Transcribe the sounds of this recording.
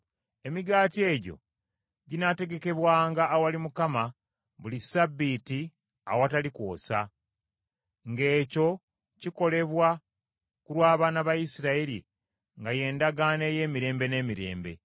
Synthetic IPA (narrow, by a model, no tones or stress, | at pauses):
e̞miɡaːtie̞ːɟo̞̰ | ɟinate̞ɡe̞ke̞βwaːŋɡaʔːwalimukama | βulisabːiti | a̰watalikwo̞̰ːsa̰ | ŋɡe̞ːco̞ | ciko̞le̞βwa | kuɾwaːβaːnaβajisiɾaeɾḭ | ŋɡaje̞ːndaɡaːne̞je̞ːmiɾe̞ːmbe̞ne̞ːmiɾe̞̰ːmbe̞̰